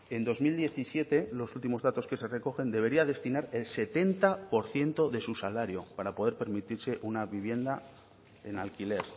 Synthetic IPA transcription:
e̞nd̪o̞zmild̪je̞θisje̞t̪e̞lo̞sult̪imo̞zðat̪o̞ske̞se̞re̞ko̞xe̞nd̪e̞β̞e̞ɾiaðe̞st̪inaɾe̞lse̞t̪e̞nt̪apo̞ɾθje̞nt̪o̞ðe̞susalaɾjo̞paɾapo̞ð̞e̞ɾpe̞ɾmit̪iɾse̞ʔunaβiβ̞je̞nd̪a | e̞nalkile̞ɾ

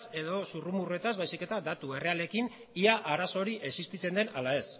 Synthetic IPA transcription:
se̞ðo̞surumurue̞t̪azβajsike̞t̪ad̪at̪ue̞re̞ale̞kin | iaʔaɾaso̞ɾiʔe̞sist̪it͡se̞nd̪e̞nalae̞s

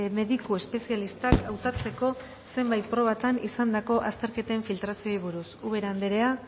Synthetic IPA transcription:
me̞ðikue̞spe̞sialist̪akawt̪at͡se̞ko̞ | se̞mbajt̪̚pɾo̞β̞at̪anisand̪ako̞ʔast̪e̞ɾke̞t̪e̞ɱfilt̪ɾasio̞jβ̞uɾusuβe̞ɾand̪eɾe̞a

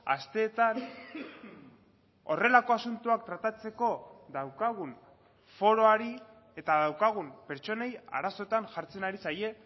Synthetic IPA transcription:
a̰st̪e̞ːt̪an | o̞̰re̞lako̞asunt̪uakt̪ɾat̪at͡se̞ko̞ðawkaɣ̞un | fo̞ɾo̞aɾi | e̞t̪aðawkaɣ̞umpe̞ɾt͡ʃo̞ne̞ja̰ɾaso̞et̪anʝaɾt͡se̞naɾisaje̞

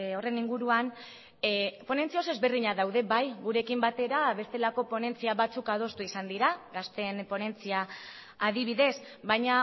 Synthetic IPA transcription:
o̞re̞niŋɡuɾuan | po̞ne̞nt͡sio̞se̞zβe̞rðiɲaðawðe̞βajɣuɾe̞kimbat̪e̞ɾaβe̞st̪e̞lako̞po̞ne̞nt͡siaβat͡sukaðo̞st̪uisand̪iɾaɣast̪e̞npo̞ne̞nt͡siaː | ðiβ̞iðe̞s | βajɲa

